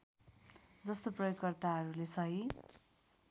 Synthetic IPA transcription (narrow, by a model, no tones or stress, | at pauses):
d͡zʌst̪oprʌjoɡkʌrt̪aɦʌɾulesʌɦi